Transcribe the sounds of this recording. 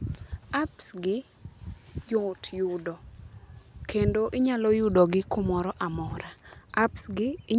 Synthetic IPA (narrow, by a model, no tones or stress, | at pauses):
apsɡɪ | jʊtjʊdɔ | kendoʔɪɲalɔjʊdɔɡɪkʊmɔɾɔʔamɔɾaapsɡɪɪ